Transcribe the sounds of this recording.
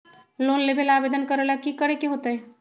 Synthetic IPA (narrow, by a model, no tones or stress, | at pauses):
loːnlebelaːʋeːd̪ənkəɾəlakikəɾekeɦoːt̪aɦɛ